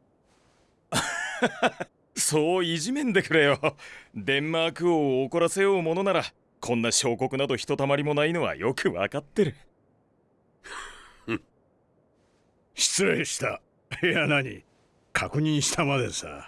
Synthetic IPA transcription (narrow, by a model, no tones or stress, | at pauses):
so̞ːiʑimẽ̞nd̪e̞kɯɾejod̪ẽ̞mːaːkɯ̟oːko̞ɾase̞jo̞ːmo̞no̞naɾa | kʰõ̞nːaɕo̞ːko̞kɯ̟nad̪o̞çi̥t̪o̞t̪amaɾʲimo̞naino̞βa̰jo̞kɯ̟βa̰kat̪ːe̞ɾɯ̟ | ɕi̥t͡sɨeɕi̥t̪a | hejanaɲḭ | kʰakɯ̟ɲ̟ĩɰ̃ɕi̥t̪amad̪esa̰